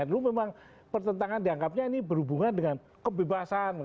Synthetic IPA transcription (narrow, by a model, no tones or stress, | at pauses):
at̪lumemaŋ | pərt̪ənt̪aŋandiaŋkap̚ɲainibərhubuŋandəŋan | kəbebasan